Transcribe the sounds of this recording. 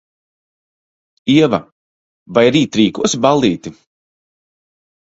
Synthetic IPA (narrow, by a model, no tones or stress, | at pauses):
iɛva̰ | vajɾiːt̪ɾiːkuɔsibalˠːiːt̪i